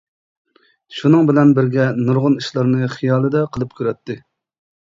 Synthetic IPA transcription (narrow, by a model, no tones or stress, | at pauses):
ʃunɨŋbɪlɛnbɪɾɡʲɛnuɾʁʊniʃlˠɑɾnɨχijɑːlˠɨd̪ɛqʰəlˠɨp̚kʲʰøɾɛt̪ːɪ